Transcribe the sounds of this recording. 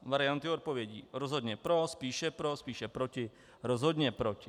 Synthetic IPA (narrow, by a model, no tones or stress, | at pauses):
vaɾɪant̪ɪot̪̚po̞vjɛɟḭːɾozɦod̪ɲɛpɾospiːʃɛpɾospiːʃɛpɾocɪ | ɾozɦod̪ɲɛpɾocɪ